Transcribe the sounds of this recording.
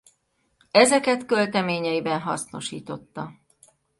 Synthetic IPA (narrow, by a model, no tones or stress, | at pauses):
ɛzɛkɛt̪kø̞lt̪ɛmeːɲɛjibɛnɦɒsno̞ʃiːt̪o̞t̪ːɒ